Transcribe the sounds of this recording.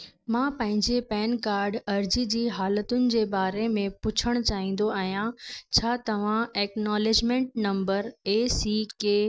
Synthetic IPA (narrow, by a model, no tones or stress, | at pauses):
mãːpɐ̃ɦɪ̃ɲd͡ʑepɛːnkaːɾɖɐɾd͡ʑid͡ʑiːɦaːlət̪ʊnɪ̆d͡ʑeːbaːɾemẽpʊt͡ɕʰəɽ̃t͡ɕaːɦĩːn̆d̪oaːɦijãt͡ɕʰaːt̪ɐʋ̤ãɛːknaːled͡ʑmẽɳʈ̚nɐ̃mbəɾeːsiːkeː